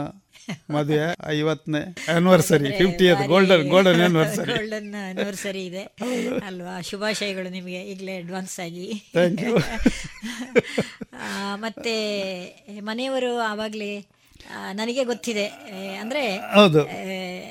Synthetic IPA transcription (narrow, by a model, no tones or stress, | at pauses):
mɐd̪ʱʋjeɐ̰jʋɐt̪ːneɐnʋɐɾsɐɾipʰipʈiɐd̪uɡoːlɖɐnɡoːɭɖɐnjaːnʋɐɾsɐɾioːɭɖɐnɐnɐɾsɐɾiːd̪e̞ɐd̪uɐlʋaːʃubʱaːʃɐjɐɡɐɭunimɐɡe̞iːɡleɐɖʋaːnsaːɡit̪ʰeːŋkju | mɐt̪ːe | mɐnejɐʋɐɾuaʋaːɡɐli | nɐnɐɡe̞ɡot̪ːid̪eɐnd̪ɐɾe̞ɐwd̪u